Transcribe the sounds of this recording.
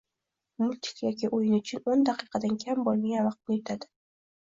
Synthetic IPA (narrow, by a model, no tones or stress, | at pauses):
mʊlʲt̪ʰɪ̥kʲjɒkʲɪʔojɪnʊt͡ʃʰʊnond̪aqʰɨqʰɑd̪ankʲʰambɒlˠmʲɪɡʲavɑq̚ʊet̪ʰad̪ɪ̥